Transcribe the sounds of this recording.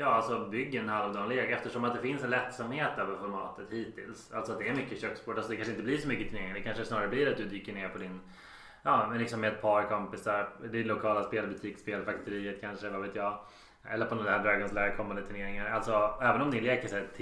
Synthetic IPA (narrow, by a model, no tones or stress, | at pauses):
jɑːalsɔbʏɡːənhalːɔvd̪ɔːnleɛft̪əʂɔmat̪̚d̪ɛfɪnsɛnlɛt̪samheːt̪øːvəɾfɔɾmɑ̰ːt̪ʰət̪hiːt̪ʰːɪ̰lsalt̪sɔat̪d̪ɛæɾmʏkːəɕøːkspɔːʈːalsɔd̪ɛkanʂəɪnt̪əbliʂɔmʏkːət̪ʰɵneːɾɪŋad̪ɛkʰanʂəsnɑːɾaɾəbliːɾat̪̚d̪ɵd̪yːkəɳeːɾpʰɔd̪ɪn | ʔɑːlɪksɔmːɛɛt̪̚pʰɑːɾkʰɔmpɪsaɾd̪ɪnlʊkʰɑːlaspeːlbɵt̪ʰiːkspeːlfakt̪ʰʊɾiːət̪kʰanʂəvaveːt̪jɑː | ɛ̰lːəɾpʰɔnɔmd̪ɛhæːbøːɡɔnslæːɾkʰɔmːand̪ət̪ʰɵneːɾɪŋaɾalt̪sɔɛːvənɔmd̪ɪleːkəʂɛt̪ʰː